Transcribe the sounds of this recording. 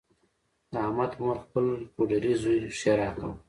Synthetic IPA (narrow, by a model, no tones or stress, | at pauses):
d̪̥əamat̪maɾxpəlkoɖaɾizujʃaɾɑka̰w